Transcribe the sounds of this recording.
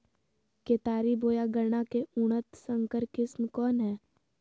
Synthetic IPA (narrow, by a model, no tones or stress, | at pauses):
keːt̪aːɾiboːjaɡəɾɳ̃akeuɽ̃ət̪sə̃ŋkəɾkɪsmkɔːnɦɛː